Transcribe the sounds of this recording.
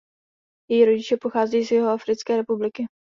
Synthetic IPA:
jɛjiɾo̞ɟɪt͡ʃɛpoxaːzɛjiːsjɛɦoafɾɪt͡skɛːɾɛpublɪkɪ

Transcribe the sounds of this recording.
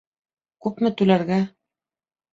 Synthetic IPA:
kʉpmɘ̆t̪ʉlæɾɡæ

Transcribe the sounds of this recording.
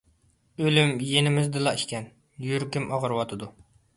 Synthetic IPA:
ølymjenɪmɪzd̪ɨlˠɑiʃkʲɛn | jyɾkʲɪmʔɑʁɨɾwɑt̪ʰɨd̪u

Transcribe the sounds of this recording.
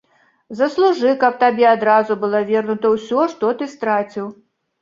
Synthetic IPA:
zɐslˠuʐɨkɐp̚t̪abʲɛad̪ɾazubɨlˠɔvʲɛrnut̪ɐwsʲɔʂt̪ɔt̪ɨst̪ɾat͡sʲiw

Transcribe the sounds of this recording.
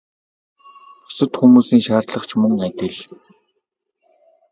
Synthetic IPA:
ɔ̥sə̆t̪xumuːsiːŋʃaːrt̪ɮə̆χt͡ɕʰmɵŋæt̪ʲɪ̆ɮ

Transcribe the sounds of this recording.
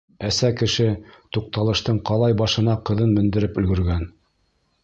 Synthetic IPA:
æsækɘ̆ʃɘt̪uq̚t̪ɑlˠɤ̆ʃt̪ɤɴqɑlˠɑjbɑʃɤ̆nɑqɤ̆ðɤnmɵ̆nd̪ɘ̆ɾɘpɵ̆lɡɵ̆ɾɡæn

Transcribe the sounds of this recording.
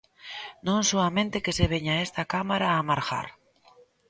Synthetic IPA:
nõŋsoamẽnt̪ekeseβ̞eɲaest̪akamaɾaːmaɾxa̰ɾ

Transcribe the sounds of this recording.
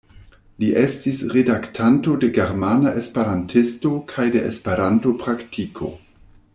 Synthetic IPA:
liʔestisɾedaktʰanto̞de̞ɡeɾmanaʔespeɾantʰisto̞kʰajde̞ʔḛspe̞ɾanto̞pɾaktʰikʰo̞̰

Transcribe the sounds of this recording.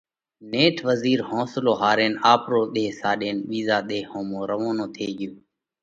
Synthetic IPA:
neːʈʰʋəziːɾhõːsloːɦaːɾeːnaːpɾoːɗ̪eːsaːɗeːnɓiːzaːɗ̪eːhõːmõːɾəʋõːnõːt̪ʰeːɠɪjoː

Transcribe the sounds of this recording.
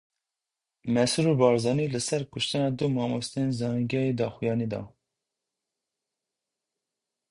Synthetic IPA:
mɛsuɾubɑːɾzɑːniːlɨsɛɾkʊʃt̪ɨnɑːd̪umɑːmost̪ɨenzɑːnɡɛjeːd̪ɑːxujɑːnid̪ɑ̰

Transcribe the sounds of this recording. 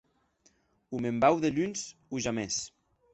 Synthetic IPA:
umembawðeʎunzuʒames

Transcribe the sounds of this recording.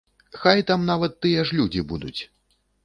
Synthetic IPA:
xajt̪amnavɐt̪ːɨjɛʂlʲud͡zʲibud̪ut͡sʲ

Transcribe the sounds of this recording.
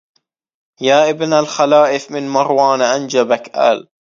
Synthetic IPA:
jaːʔɪbnalxalaːʔɪfmɪnmɑɾˤwɑːnʔand͡ʒabakʔa̰ːl

